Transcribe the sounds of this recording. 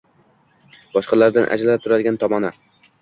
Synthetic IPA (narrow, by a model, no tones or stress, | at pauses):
b̥ɒʃqɑlaɾd̪anʔa̰d͡ʒlap̚t̪ʰʊɾad̪ɪɡʲant̪ʰɒmɒna